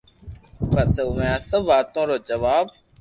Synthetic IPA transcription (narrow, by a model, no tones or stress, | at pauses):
pəseʊʋjãːsəbːaːt̪õːɾoːd͡ʒəʋaːb